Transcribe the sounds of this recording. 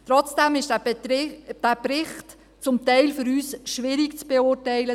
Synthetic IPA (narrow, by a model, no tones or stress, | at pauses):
tɾɔt͡sd̥ɛmɪʃ | d̥æpɾɪχt | t͡sʊmtɛɪlfʏɾyːsʃʋɪɾikt͡sb̥eʊɾtɛɪlə